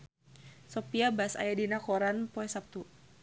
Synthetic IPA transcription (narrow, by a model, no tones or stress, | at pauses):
sɔpiabasa̰jadinakɔɾanpɔɛsap̚t̪u